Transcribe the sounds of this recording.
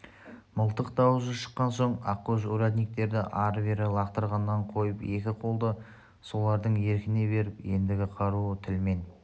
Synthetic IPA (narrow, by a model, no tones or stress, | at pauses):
məlˠt̪əq̚d̪ɑwəzəʃə̥qːɑnso̞ɴɑqːoʃuɾad̪nijk̚t̪e̞ɾd̪ɪʔɑɾveɾɪlˠɑqt̪əɾʁɑnːɑɴqʰo̞jəpe̞kʲɪqʰo̞lˠd̪ə | so̞lˠɑɾd̪əɴe̞ɾkʲɪne̞βe̞ɾɪpje̞nd̪ɪɡʲɪqʰɑɾuət̪ʰɪlme̞n